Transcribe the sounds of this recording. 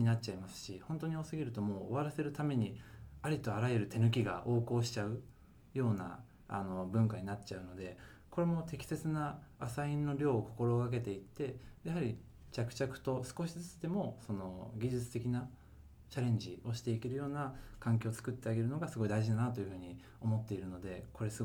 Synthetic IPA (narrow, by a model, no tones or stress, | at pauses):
ɲinat͡ɕaimasɨ̥ɕihõ̞nt̪o̞ɲ̟io̞sɨɡʲiɾɯ̟t̪o̞mo̞̰ːβaɾase̞ɾɯ̟t̪ame̞ɲ̟iaɾʲit̪o̞aɾajeɾɯ̟t̪e̞nɯ̟k̬ʲiɡa̰ʔo̞ːko̞ːɕi̥t͡ɕaɯ̟ | jo̞ːna̰ | a̰no̞bɯ̟̃ŋkaɲ̟inat͡ɕaɯ̟no̞d̪e̞ | ko̞ɾe̞mo̞t̪e̞kʲi̥se̞t͡sɨnaːsaĩnːo̞ɾʲo̞ːko̞̥ko̞ɾo̞ːkak̬e̞t̪e̞it̪ːe̞jahaɾʲi | t͡ɕakɯ̟̥t͡ɕakɯ̟̥t̪o̞sɨ̥ko̞ɕizɨt͡si̥t̪e̞mo̞so̞no̞ɡʲiʑɨt͡sɨ̥t̪e̞kʲina | t͡ɕaɾẽ̞ɲ̟d͡ʑio̞ɕi̥t̪e̞ike̞ɾɯ̟jo̞ːnakãŋkʲo̞ːt͡sɨ̥kɯt̪ːe̞aɡe̞ɾɯ̟no̞ɡasɨɡo̞id̪aiʑid̪anat̪ojɯ̟ɸɯ̟ːɲ̟i | o̞mo̞t̪ːe̞iɾɯ̟no̞d̪e̞ko̞ɾe̞sɨ